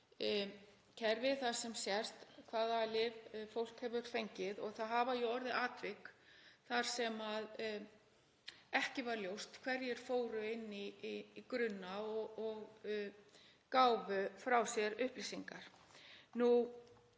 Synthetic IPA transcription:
cʰɛɾvɪðθḁsɛmsjɛrst̪kʰv̥aːðalɪvfowl̥khɛvʏɾ̥fejɲcɪðɔɣθaðɦaːvajʏɔɾðɪʔaːt̪vɪkθaɾ̥sɛmað | ɛhcɪvaɾljowst̪kʰv̥ɛɾjɛɾ̥foːwɾʏɪnːiːkɾʏnːaɔɔɣ | kaːwvʏfɾawsjɛɾʏhplisiŋkaɾ̥ | nu

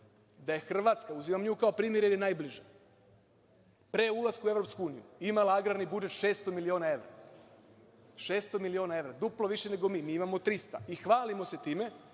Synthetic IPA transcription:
d̪aje̞xr̩ʋat̪skauzimamɲuːkao̞pɾiːmje̞ɾjeɾjenaːjbliʒe | pɾeulˠaskue̞ʋɾo̞pskuuːnijṵimalaaɡɾaɾnibud͡ʒet̪ʃeːst̪omilio̞ːnae̞ʋɾa̰ | ʃeːst̪o̞milio̞ːnae̞ʋɾad̪uplˠo̞ʋiʃe̞ne̞ɡo̞miːmiːimamot̪ɾist̪a̰ixʋaːlimo̞se̞t̪iːme̞

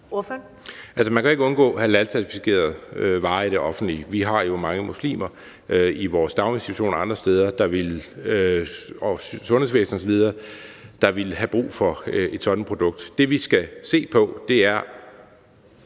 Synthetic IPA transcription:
ofønʔælsəmænkʰæoe̝ɡ̥əɔ̽nɡ̥ɔ̰̽ːhælælsʰæɐt͡sʰifikʰe̝̰ːɐð̞̩ˠøʋɑ̈ːid̥eʔɒ̽fn̩d̥liʋiɦɑ̈jo̝mɑ̈ŋəmuslḭːmɐ | ʔøiʋɒːsd̥ɑ̈ʊme̝nsi̥tʰuɕo̝̰ːnɒɑ̈nd̥ʁɐsd̥eːð̞ˠɐd̥ɑ̈ʋe̝løɒsɔ̽nhe̝ʋḛːsn̩ɒsɒ̽ʋið̞ˠɐ | d̥ɑ̈ʋe̝lɦæb̥ʁṵːfɒ̽e̝d̥sɒ̽d̥n̩pʰʁo̝d̥ɔ̽ɡ̥̚d̥ːe̝ʋisɡ̥æse̝̰ːpʰɒ̽d̥e̝æɐ

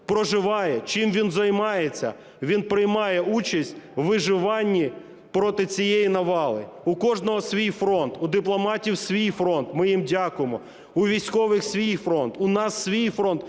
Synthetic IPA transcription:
pɾɔʒɪʋɑjɛt͡ʃɪmʋʲinzɐjmɑjet͡sʲːɐ̰ | ʋʲinpɾɪjmɑjɛut͡ʃɐsʲtʲʋɪʒɪʋɑnʲːi | pɾɔt̪ɪt͡sʲijejinɐʋɑlˠɪʊkɔʒnɔɦɔsʲʋʲijfɾɔnt̪ʊd̪ɪplˠɔmɑtʲiwsʲʋʲijfɾɔnt̪mɪjimdʲakʊjemɔ | ʊʋʲijsʲkɔʋɪxsʲʋʲijfɾɔnt̪ʊnɑsːʲʋʲijfɾɔnt̪

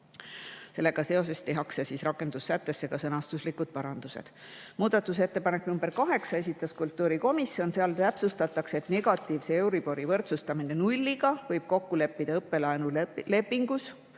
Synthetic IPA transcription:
se̞lːe̞ɡ̥ɑse̞o̞se̞st̪e̞ɦɑksesisrɑkːˑe̞nd̪̥usːæt̪ːe̞sːe̞ɡ̥ɑsɤnɑst̪uslikud̪̥̚pɑɾɑnd̪̥use̞̰d̪̥ | muːd̪̥ɑt̪ːˑuse̞t̪ːe̞pɑne̞kːˑnumbeɾkɑɦe̞ksɑe̞sit̪ːˑɑskult̪ˑːuːɾiko̞misːjo̞nseɑlt̪æpsust̪ɑt̪ːˑɑkse̞t̪ne̞ɡ̥ɑt̪ːˑiːvsee̞wɾib̥o̞ɾivɤ̞rt̪sust̪ɑmine̞nulʲːiɡ̥ɑvɤjb̥̚ko̞kːule̞pːid̪̥ɑɤpːe̞lɑenule̞pːiŋɡ̥us

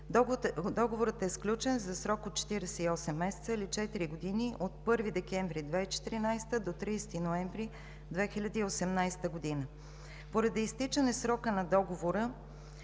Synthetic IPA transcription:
d̪ɔɡovoɾət̪ɛsklʲut͡ʃɛnzɐsɾɔkot̪̚t͡ʃɛ̥t̪iɾɛsɛiɔsɛmːɛsɛ̥t̪səilit͡ʃɛt̪iɾiɡod̪iniʔot̪̚pɤɾvid̪ɛkɛɱvɾid̪vɛit͡ʃɛ̥t̪iɾinajst̪əd̪ot̪ɾijsɛ̥t̪inoɛɱvɾi | d̪vɛxilʲɐd̪iːosɛmnajst̪əɡod̪inə | poɾɐd̪iist̪it͡ʃənɛsɾɔkənɐd̪ɔɡovoɾə

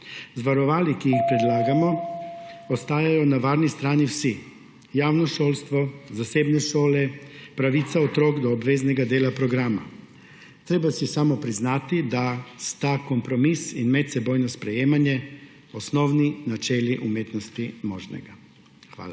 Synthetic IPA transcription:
zʋaɾɔʋaːlikijixpɾɛd̪laːɡamɔ | ost̪aːjajɔnaʋaːɾnist̪ɾaːniwsi | jaːwnɔʃoːlst̪ʋɔzaseːbnɛʃoːlɛpɾaʋiːt̪saot̪ɾoːɡd̪ɔːbʋeːznɛɡad̪eːlapɾɔɡɾaːma̰ | t̪ɾeːbasisaːmɔpɾiznaːt̪id̪ast̪akompɾɔmisinmɛt̪sɛboːjnɔspɾɛjeːmanjɛ | osnɔwninat͡ʃeːliʔumeːt̪nɔst̪imoːʒnɛ̰ɡa | xʋa̰ːla

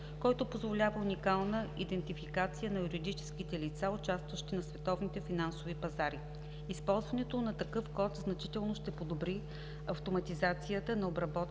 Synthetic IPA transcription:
kɔjt̪opozvolʲavəunikalˠnəid̪ɛnt̪ifikat̪sijənɐjuɾid̪it͡ʃɛ̥skit̪ɛlit̪saʊt͡ʃast̪vəʃt̪inɐsvɛt̪ɔvnit̪ɛfinansovipɐzaɾi | ispɔlˠzvɐnɛt̪onɐt̪ɐkɤfkɔt̪znɐt͡ʃit̪ɛlˠnoʃt̪ɛpod̪obɾi | ɐft̪omɐt̪izat̪sijət̪ənɐobɾɐbɔt̪

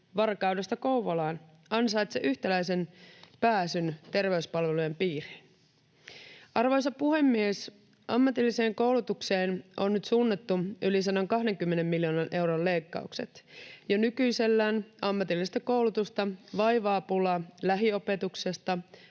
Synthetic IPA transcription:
ʋɑrkɑude̞st̪ɑkouʋolɑːn | ɑnsɑjt̪sḛʔyçt̪ælæjse̞npæːsynt̪e̞rʋe̞yspɑlʋe̞lujempiːrin | ɑrʋo̞js̬ɑpuɦe̞mːies | ʔɑmːɑt̪ilːise̞ːŋko̞wlut̪ukse̞ːnʔonːyt̪suːnːet̪ːuylis̬ɑnːoŋkɑɦde̞ŋk̟ymːene̞mːiljoːnɑnʔe̞wɾolle̞jkːɑ̰ukse̞̰t̪jɑnykyjse̞lːæːnɑmːɑt̪ilːist̪ɑko̞wlut̪ust̪ɑʋɑjʋɑːpulɑlæɦio̞pe̞t̪ukse̞st̪ɑ

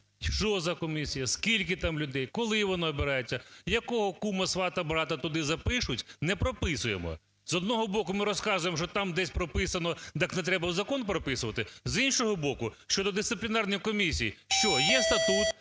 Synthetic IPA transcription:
t͡ʃɔzɐkɔmʲisʲijɐskʲilʲkɪt̪amlʲʊd̪ɛjkɔlˠɪʋɔnɔɔbɪɾɑjet͡sʲːɐjɐkɔɦɔkumɐsʋɑt̪ɐbɾɑt̪ɐt̪ʊd̪ɪzɐpɪʃʊtʲnɛpɾɔpɪsʊjemɔ̰ | zɔd̪nɔɦɔbɔkʊmɪɾɔskɑzʊjemʃt͡ʃɔt̪ɑmd̪ɛsʲpɾɔpɪsɐnɔd̪aknɛt̪ɾɛbɐwzɐkɔnpɾɔpɪsʊʋɐt̪ɪzinʃɔɦɔbɔkʊʃt͡ʃɔd̪ɔd̪ɪst̪ɪplʲɪnɑrnɔjkɔmʲisʲijiʃt͡ʃɔjɛst̪ɐt̪ut̪

